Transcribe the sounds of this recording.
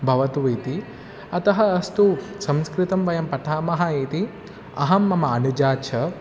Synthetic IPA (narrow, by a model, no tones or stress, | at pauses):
bʱɐʋɐt̪uʋɐt̪i | ɐt̪ɐɦɐːst̪u | sɐmskɾɪt̪ɐmʋɐjɐmpɐt̪ʰaːmɐɦɐit̪i | ɐ̰ɦɐmːɐmɐɐnud͡ʒaːt͡ʃʰɐ